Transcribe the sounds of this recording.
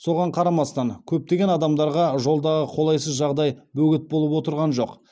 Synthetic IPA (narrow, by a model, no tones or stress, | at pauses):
so̞ʁɑɴqʰɑɾɑmɑst̪ɑŋkʲʰɵp̚t̪e̞ɡʲe̞nɑd̪ɑmd̪ɑɾʁɑʒo̞lˠd̪ɑʁəqʰo̞lˠɑjsəzʒɑʁd̪ɑjbɵɡʲɪt̪̚bolˠəpwo̞t̪əɾʁɑnʒo̞q